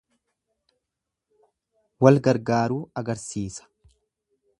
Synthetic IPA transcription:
wɐlɡɐɾɡaːɾuːɐɡɐɾsiːsɐ̥

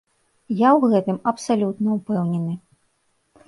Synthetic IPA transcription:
jawɣɛt̪ɨmɐpsalʲut̪nɐupɛwnʲɛnɨ

